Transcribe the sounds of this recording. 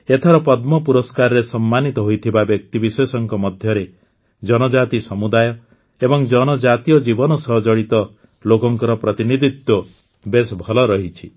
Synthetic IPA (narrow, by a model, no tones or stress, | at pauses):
et̪ʰɔɾɔpɔd̪mɔpuɾɔskaɾɾesɔmːanit̪ɔɦojt̪ʰibabjɔk̚t̪ibisesɔŋkɔmɔd̪ʱjɔɾe | d͡ʒɔnɔd͡ʒat̪isɔmud̪ajɔ | ebɔŋd͡ʒɔnɔd͡ʒat̪ijɔd͡ʒibɔnɔsɔɦɔd͡ʒɔɽit̪ɔ | lokɔŋkɔɾɔpɾɔt̪inid̪ʱit̪wɔ | besbʱɔlɔɾɔɦit͡ʃʰi